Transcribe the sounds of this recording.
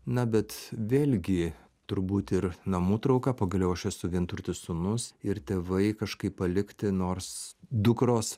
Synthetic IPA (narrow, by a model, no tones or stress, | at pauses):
nɐbʲɛt̪ʋʲeːlʲɡʲɪ | t̪ʊɾbuːt̪ɪɾnɐmuːt̪ɾɐʊkɑpɐːɡɐlʲɛʊɐʃɛsʊʋʲɪnt̪ʊɾʲt̪ʲɪssʊnʊsɪɾt̪ʲeːʋɐɪkɐʃkɐɪpːɐlʲɪkt̪ʲɪnoːɾsd̪ʊkɾoːs